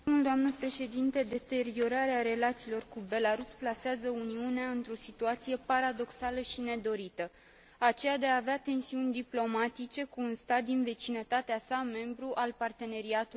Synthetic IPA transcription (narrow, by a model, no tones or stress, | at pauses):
muld̪oamnəpɾe̞ʃe̞d̪int̪e̞d̪e̞t̪e̞ɾio̞ɾaɾeaɾe̞lat̪siːlo̞rkube̞laɾusplaseazəuniuneaɨnt̪ɾo̞sit̪uat̪sije̞paɾad̪o̞ksaləʃine̞d̪o̞ɾit̪ə | at͡ʃe̞jad̪e̞aːveat̪e̞nsiunʲd̪iplo̞mat̪it͡ʃe̞kuːnst̪at̪̚d̪inve̞t͡ʃinət̪at̪easame̞mbɾuʔalpart̪e̞ne̞ɾiat̪u